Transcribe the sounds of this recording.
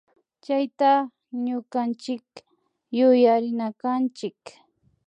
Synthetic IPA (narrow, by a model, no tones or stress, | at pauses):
t͡ʃajt̪a | ɲʊkant͡ʃɪk | jʊjaɾɪnakant͡ʃɪk